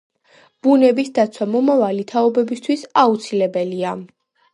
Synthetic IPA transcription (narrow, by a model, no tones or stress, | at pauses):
b̥unɛbisd̪at̪sʰwamɔmavalit̪ʰaɔbɛbist̪ʰwisaut̪sʰilɛbɛlia